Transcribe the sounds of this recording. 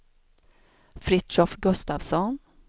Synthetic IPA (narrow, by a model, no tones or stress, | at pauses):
fɾɪt̪ʃɔfɡɵst̪avsɔn